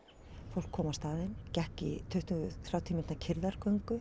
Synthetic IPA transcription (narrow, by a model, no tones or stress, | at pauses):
fowl̥kʰːɔːmawst̪aːðɪncɛhcɪ̰t̪ʰœɥht̪ʏɣʏθɾaːwt̪ʰiːmɪnt̪acʰɪɾðaɾ̥kœŋkʏ